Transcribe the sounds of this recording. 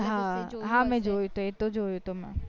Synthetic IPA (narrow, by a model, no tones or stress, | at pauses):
ɦãɦãːmɛ̃d͡ʒoːjũt̪oet̪od͡ʒoːjut̪omɛ̰̃